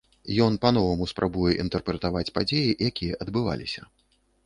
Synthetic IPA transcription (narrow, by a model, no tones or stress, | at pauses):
jɔn̪panɔvɐmuspɾʔabujɛʔint̪ɛrpɾɛt̪avat͡sʲpad͡zʲejijakʲijɐʔɐd̪bɨva̰lʲisʲɐ